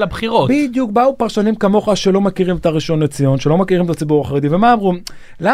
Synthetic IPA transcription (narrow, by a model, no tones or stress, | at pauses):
labχiʁobid̪juk̚baupaʁʃanimkamo̞χaʃe̞lo̞makiʁimet̪aʁiʃo̞nːet͡sijo̞nʃelo̞makiʁimetat͡sibuʁaχaʁed̪ive̞maːmʁum | la